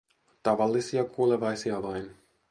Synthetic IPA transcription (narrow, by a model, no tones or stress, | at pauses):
t̪ɑʋɑlːisiɑkuːleʋɑjsiɑʋɑjn